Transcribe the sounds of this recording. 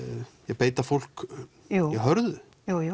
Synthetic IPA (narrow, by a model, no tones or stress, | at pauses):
jɛɣpeːjt̪afowl̥k | ujɛɣɦœɾðʏ | juj